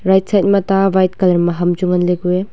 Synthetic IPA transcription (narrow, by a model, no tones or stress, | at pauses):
ɾajt̚sajt̚mɐtabajt̚kɐlɐɾmɐɦɐmd͡ʒuŋɐnleɡue